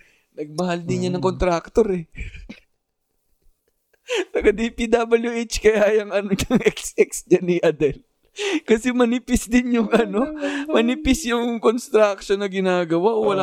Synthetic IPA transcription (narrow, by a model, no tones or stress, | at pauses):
nɐɡ̚mɐhald̪ɪnjanɐŋko̞nt̪ɾak̚t̪o̞ɾɛ | t̪ɐɡɐd̪ipid̪abɐljuʔet͡ʃkɐjaːjɐŋʔɐnoɲʊŋʔɛk̚sʔɛksɲanɪʔɐd̪ɛl | kɐsɛmɐnɪpɪsd̪ɪnjʊŋʔɐno̞mɐnɪpɪsjʊŋkonst̪ɾak̚ʃonːɐɡɪnaːɡɐwaʔowɐla